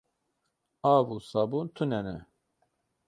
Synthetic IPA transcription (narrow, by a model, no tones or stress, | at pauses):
aːvusɑbunt̪ʰunɛnɛ̰